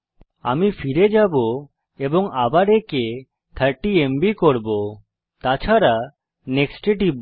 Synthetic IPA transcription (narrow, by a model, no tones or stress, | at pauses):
a̰mifʰiɾed͡ʒabo | ebɔŋabaɾeke | t̪ʰəɾʈiembikoɾbo | t̪at͡ʃʰaɾa | neksʈeʈib